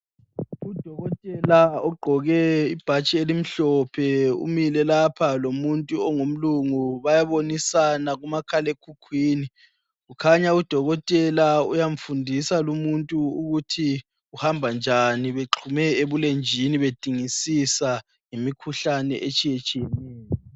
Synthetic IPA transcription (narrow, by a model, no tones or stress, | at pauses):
ud̥ʱɔɣɔtʼɛlaɔɡ͡ǃʱɔɣɛib̥ʱat͡ʃʼielim̩ɬɔpʰɛṵmilɛlapʰalomuntʼuɔŋum̩luŋuβajaβonisanaɣumakʰalekʰukʰwiːni | ɣukʰaɲaud̥ʱɔɣɔtʼɛlaṵjaɱ̩fundʱisalumuntʼuuɣutʰi | uhambʱand͡ʒʱaniβeǁʰumɛeβulend͡ʒʱiniβed̥ʱiŋisisa | ŋemikʰuɬanɛ̰ʔet͡ʃʼijɛt͡ʃʼijɛnɛːjɔ